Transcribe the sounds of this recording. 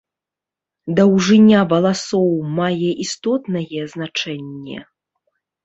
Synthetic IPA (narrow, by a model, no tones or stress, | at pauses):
d̪ɐwʐɨnʲavɐlˠasɔwmajɛʔist̪ɔt̪nɐjɛznat͡ʂɛnʲːɛ̰